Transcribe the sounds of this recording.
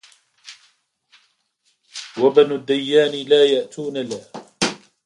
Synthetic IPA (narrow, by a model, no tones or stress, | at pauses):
wabanʊd̪ːajːaːnɪlaːjaʔt̪ʰuːnalah